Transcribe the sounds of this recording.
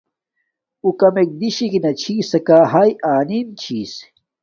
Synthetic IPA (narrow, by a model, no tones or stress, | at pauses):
ukɐmek̚d̪iɕikinɐt͡ɕʰiːsɐkaːɦajaːnint͡ɕʰiːs